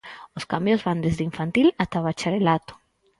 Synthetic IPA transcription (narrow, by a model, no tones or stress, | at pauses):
oskambjozβand̪ezðiɱfant̪ilat̪aβat͡ʃaɾelat̪ʊ̥